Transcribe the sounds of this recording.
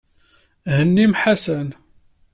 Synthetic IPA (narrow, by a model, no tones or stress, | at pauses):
hənːimħasən